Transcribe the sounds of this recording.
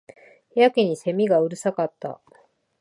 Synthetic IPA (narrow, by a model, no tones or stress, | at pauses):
jakʲiɲ̟ise̞mʲiɡaɯ̟ɾɯ̟sakat̪ːa̰